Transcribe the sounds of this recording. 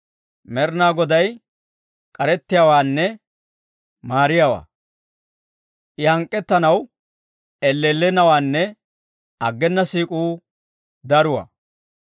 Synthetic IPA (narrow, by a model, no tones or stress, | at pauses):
mɛɾnaːɡɔd̪ɐj | kʼɐɾɛt̪ːɪjaːwaːnːɛ | maːɾɪjawa̰ː | ʔɪhɐŋkʼːɛt̪ːɐnɐw | ɛlːelːɛnɐwaːnːɛ | ɐɡːɛnːɐsiːkʼuː | d̪ɐɾʊwɐ̰